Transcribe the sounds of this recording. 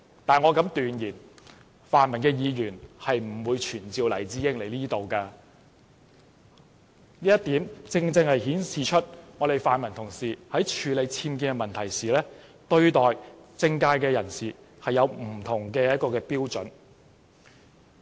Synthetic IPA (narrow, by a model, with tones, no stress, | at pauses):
t̪aː˨˩nŋɔː˨˧kɐ˨˥mt̪yː˨njiː˨˩n | faː˨nmɐ˨˩nkɛː˧jiː˨˧jyː˨˩nhɐ˨jm̩˨˩wuː˨˧jt͡ʃʰyː˨˩nt͡siː˨wlɐ˨˩jt͡siː˧˥jɪ˥ŋle˨˩jliː˥t̪o˨wkaː˧ | niː˥jɐ˥t̪̚iː˨˥mt͡sɪ˧ŋt͡sɪ˧ŋhɐ˨jhiː˨˥nsiː˨t͡ʃʰɵ˥t̚ŋɔː˨˧t̪e˨jfaː˨nmɐ˨˩nt̪ʰʊ˨˩ŋsiː˨hɐ˨˥jt͡ʃʰyː˨˧le˨˧jt͡sʰiː˧mkiː˧nɡɛ˧mɐ˨nt̪ʰɐ˨˩jsiː˨lɛː˥ | t̪ɵ˧ɥt̪ɔː˨˩jt͡sɪ˧ŋkaː˧jkɛː˧jɐ˨˩nsiː˨ | hɐ˨jɐ˨˧wm̩˨˩t̪ʰʊ˨˩ŋkɛː˧jɐ˥t̚kɔː˧kɛː˧piː˥wt͡sɵ˨˥n